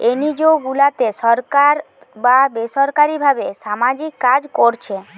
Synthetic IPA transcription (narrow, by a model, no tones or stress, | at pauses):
enid͡ʑewɡulat̪eʃɔɾkaɾ | babeʃɔɾkaɾibʱabeʃamad͡ʑikːad͡ʑkoɾt͡ɕʰe